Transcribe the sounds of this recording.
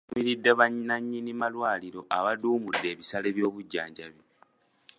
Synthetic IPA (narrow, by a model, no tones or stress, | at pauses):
miɾidːe̞βaɲinaɲːinimalwaːliɾo̞ʔaβaduːmudːe̞ːβisale̞βjo̞ːβuɟːaːɲɟaβi